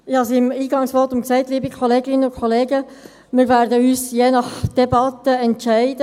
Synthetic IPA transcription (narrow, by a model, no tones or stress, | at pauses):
ɪhɑsiɪmiːɡɑŋsʋɔtumksæɪt̪liːbəkʰχoleːɡɪnːəʊnkʰχoleːɡə | mɪːɾʋæːɾdəyːsjeːnɑχd̥ɛbɑt̪əɛntʃæɪdə